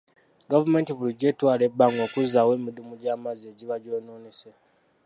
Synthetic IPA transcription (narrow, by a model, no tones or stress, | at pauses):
ɡavume̞ːntiβuluɟeːtwaːle̞bːaŋɡo̞ːkuzawe̞ːmidumuɟaːmazeːɟiβaɟoːnoːnise